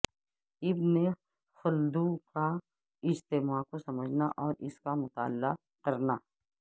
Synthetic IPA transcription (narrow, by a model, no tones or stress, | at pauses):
ɪbne | xʊld̪uka | ɪd͡ʒt̪ɪmaːkosɐməd͡ʒʱnaʔɔːɾɪskamʊt̪a̰ːlːa | kɐɾnaː